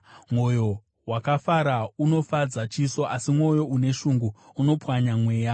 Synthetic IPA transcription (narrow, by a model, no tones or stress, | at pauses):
mwo̞jo̞ | wakafaɾauno̞fad͡zat͡ʃiso̞ʔasimwo̞jo̞ʔune̞ʃuŋɡuːno̞pwaɲamwe̞ːja